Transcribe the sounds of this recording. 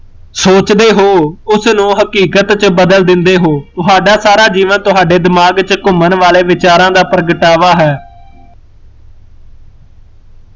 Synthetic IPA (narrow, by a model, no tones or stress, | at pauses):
soːt͡ʃd̪eːɦoːʊsnũːɦəkiːkət̪t͡ʃbəd̪əld̪ɪnd̪eːɦoːt̪ʊɦaːɖaːsaːɾaːd͡ʒiːʋənt̪ʊɦaːɖeːd̪ɪmaːɡt͡ʃkʊmənʋaːleːʋɪt͡ʃaːɾãːd̪aːpəɾəɡəʈaːʋaːɦɛː